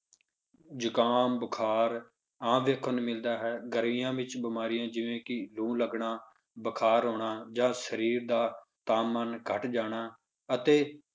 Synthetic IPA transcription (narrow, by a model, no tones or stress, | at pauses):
d͡ʒʊkaːmbəkʰaːɾ | ãːʋeːkʰənmɪld̪aːɦɛːɡəɾʋijãːʋɪt͡ʃbɪmaːɾijãːd͡ʒɪʋẽːkɪlũːləɡɳaː | bəkʰaːɾɦoːɳaːd͡ʒãːsəɾiːɾd̪aːt̪aːmənkʰəʈd͡ʒaːɽ̃aː | ət̪eː